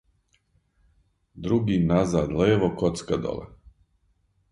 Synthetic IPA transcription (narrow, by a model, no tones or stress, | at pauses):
d̪ɾuɡinazaːd̪leːʋokot̪skad̪o̰lḛ